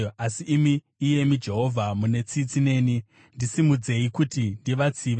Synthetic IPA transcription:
asiʔːmiː | je̞mid͡ʒe̞ɦo̞vʱamune̞t͡sit͡sine̞ːni | ndisimud͡ze̞ikutindiʋat͡siʋ

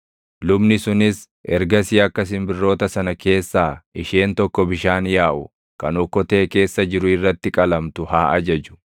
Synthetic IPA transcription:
lʊbnɪsʊnɪs | ʔɛ̰ɾɡɐsɪɐkːɐs̬ɪmbɪrːo̞ːt̪ɐsɐnɐke̞ːsːaːɪʃe̞ːnt̪ɔkːɔbɪʃaːnjaːʔʊ̰ | kɐnɔkːɔt̪e̞ːke̞ːsːɐd͡ʒɪɾʊɪrːɐt̪ːɪkʼɐlɐmt̪ʊhaːʔɐd͡ʒɐd͡ʒʊ̥

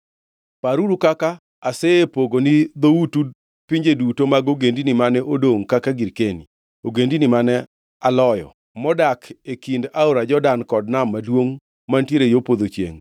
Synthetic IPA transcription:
paɾuɾukaka | aseepoɡonid̪outud | piɲd͡ʒedutomaɡoɡendinimanɛʔodoŋkakaɡiɾkeni | oɡendinimanɛ | alɔjɔ̰ | mɔdakʰekindaoɾad͡ʒɔdankɔd̚namːadwoŋ | mantjeɾejopod̪ot͡ʃjḛŋ

